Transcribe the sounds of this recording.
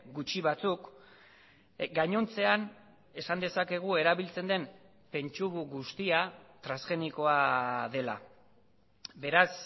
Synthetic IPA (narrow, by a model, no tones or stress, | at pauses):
ɡut͡ʃiβat͡suk | ɡaɲo̞nt͡se̞an | e̞sand̪e̞sake̞ɣ̞ue̞ɾaβilt͡se̞nd̪e̞m | pe̞nt͡ʃuβuɣust̪iat̪ɾasxe̞niko̞aðe̞la̰ | be̞ɾas